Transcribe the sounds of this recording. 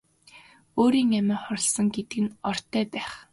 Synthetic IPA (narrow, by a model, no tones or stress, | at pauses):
oːɾiːŋamæːχɔɾ̆ʲɮsɞ̆ŋɡet̪̚ɡɘ̆nɔr̥t̪ʰːæːpæːχ